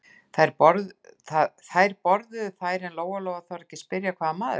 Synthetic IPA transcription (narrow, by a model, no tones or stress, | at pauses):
θajɾpɔɾðθaθajɾpɔɾðʏθaːjɾɛnloːwɣaloːwɣaθawɾɛhcɪspɪɾjakʰvaːðamaːðʏ